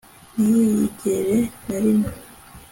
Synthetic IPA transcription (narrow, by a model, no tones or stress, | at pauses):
nijjiɟeɾenaɾimo